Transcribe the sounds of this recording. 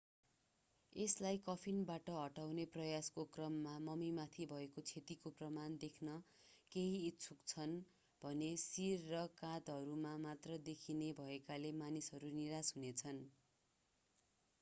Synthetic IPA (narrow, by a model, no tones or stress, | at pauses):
eslajkʌpʰinbaʈʌɦʌʈawneprʌjaskokrʌmːamʌmimat̪ʰibʱʌekot͡sʰet̪ikoprʌmand̪ekʰnʌ | keɦiːt̪t͡sʰukt͡sʰʌn | bʱʌnesirːʌkãd̪ɦʌɾumamat̪rʌd̪ekʰinebʱʌekalemanisɦʌɾuniɾasɦunet͡sʰʌn